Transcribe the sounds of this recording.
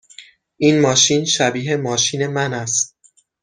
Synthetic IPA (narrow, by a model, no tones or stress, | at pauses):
ʔiːnmɒːʃiːnʃæbiːɦe̞mɒːʃiːne̞mænæst̪̚